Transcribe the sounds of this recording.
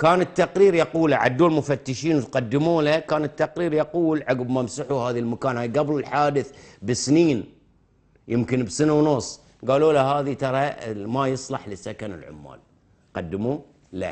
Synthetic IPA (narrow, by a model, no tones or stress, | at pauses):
kaːnɪt̪ːaqɾiːɾjɑquːlaʕa̰d̪ːuːlmʊfat̪ːɪʃiːnt̪qad̪ːɪmuːlakaːnɪt̪ːaqɾiːɾjɑquːlʕaɡbmamsaħuhaːðilmakaːnhaːjɡablɪlħaːd̪ɪθbɪsniːn | jɪmkɪnbsanawnʊsˤː | ɡaːloːlaɦaːðit̪ɑɾˤɑmajɨsˤlɑħlɪsakanɪ̰lʕʊ̰mːa̰ːl | qɑd̪ːɪmu | la̰